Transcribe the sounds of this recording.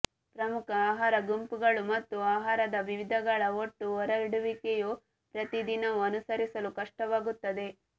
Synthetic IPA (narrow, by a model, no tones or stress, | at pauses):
pɾɐmukʰɐaːɦaːɾɐɡumpuɡɐɭumɐt̪ːuaːɦaːɾɐd̪ɐʋiʋid̪ʱɐɡɐɭɐoʈːuɔɾɐiɽuʋikeju | pɾɐt̪id̪inɐʋuɐnusɐɾisɐlukɐʂʈɐʋaːɡut̪ːɐd̪e̞